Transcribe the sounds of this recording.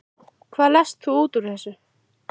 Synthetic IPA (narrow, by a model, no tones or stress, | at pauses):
kʰvaːlɛst̪θuuːt̪uɾ̥θɛsʏ